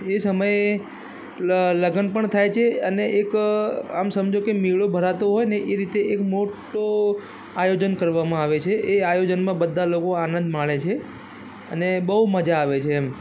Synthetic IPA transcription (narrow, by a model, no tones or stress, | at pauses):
esəməj | ləɡənpəɳt̪ʰajt͡ʃʰeəneʔekamsəmd͡ʒokemiɭobʱəɾat̪oɦojneʔeɾit̪eʔekmoʈo | ajod͡ʒənkəɾʋamãaʋet͡ʃʰeʔeajod͡ʒənmãbəd̪ʱːalokoanə̃nd̪ʱmaɭet͡ʃʰe | ə̰nebəɦuməd͡ʒaːʋet͡ʃʰeːm